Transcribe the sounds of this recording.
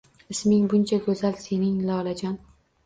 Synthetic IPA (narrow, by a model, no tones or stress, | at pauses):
ɪsmɪŋbʊnt͡ʃʰaɡɵzalse̞nɪŋlɒlad͡ʒɒn